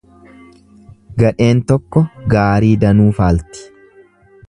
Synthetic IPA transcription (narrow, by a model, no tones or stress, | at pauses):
ɡɐᶑe̞ːnt̪ɔkːɔɡaːɾiːd̪ɐnuːfaːlt̪ɪ̥